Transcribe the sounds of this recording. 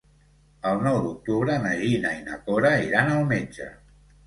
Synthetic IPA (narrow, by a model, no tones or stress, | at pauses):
əlˠnɔwd̪uk̚t̪uβɾəməʒinainakoɾaiɾanəlˠmed͡ʒə̰